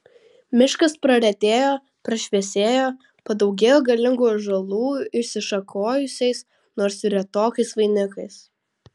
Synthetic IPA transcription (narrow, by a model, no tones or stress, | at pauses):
mʲɪʃkɐspɾɐɾʲɛt̪ʲeːjoː | pɾɐʃʲʋʲɛsʲeːjoː | pɐd̪ɒʊɡʲeːjoːɡɐlʲɪŋɡuːjʒɐlˠuːɪʃʲsʲɪʃɐkʰoːjʊsʲɛɪs | noːɾsɪɾʲɐt̪oːkɐɪsʋɐɪnʲɪkɐɪs